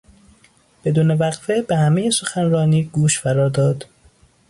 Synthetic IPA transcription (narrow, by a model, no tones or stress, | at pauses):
b̥e̞d̪uːne̞væɣfebehæmejeso̞xænɾɒːniːɡ̥uːʃfæɾɒːɾd̪ɒːd̪